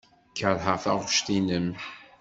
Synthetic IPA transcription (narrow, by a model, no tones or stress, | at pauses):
kəɾħəʁθaʁʃt̪inəm